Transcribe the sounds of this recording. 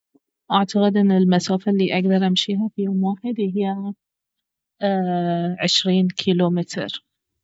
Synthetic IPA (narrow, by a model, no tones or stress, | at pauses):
ʔaʕt̪aɣɪd̪ʔɪnːɪlmasaːfalːiːʔaɡd̪ɑɾˤʔamʃiːɦafijoːmwaːħɪd̪ɦɪjːa | ʕɪʃɾiːnkʰiːluːmɪt̪ɾ